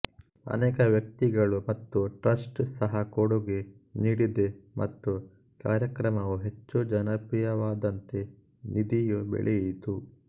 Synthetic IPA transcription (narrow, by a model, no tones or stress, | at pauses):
ɐ̰nɛːkɐʋjɐk̚t̪iɡɐɭumɐt̪ːuʈɾɐsʈsɐɦɐkoɽuɡe̞ | niːɽid̪emʔɐ̰t̪ːu | kaːɾjɐkɾɐmɐʋuɦe̞t͡ʃːud͡ʒɐnɐpijɐʋaːd̪ɐnt̪e̞ | nid̪ijubḛɭejit̪u